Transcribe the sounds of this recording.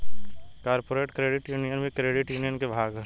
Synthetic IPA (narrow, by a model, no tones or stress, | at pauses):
kaːɾpoːɾeːʈkɾeːɖɪʈjuːnijənbʱikɾeːɖɪʈjuːnijənkebʱaːɡ